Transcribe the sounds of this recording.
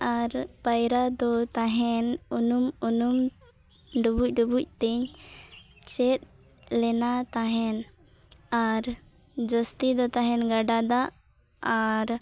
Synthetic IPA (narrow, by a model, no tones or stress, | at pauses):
aɾpajɾad̪ɔt̪aɦɛnunumunum | ɖubuc̚ˀɖubuc̚ʲˀt̪ɛɲ | t͡ʃɛt̪̚ | lɛnat̪aɦɛn | aɾ | d͡ʒɔst̪id̪ɔt̪aɦɛnɡaɖad̪aː | ɾ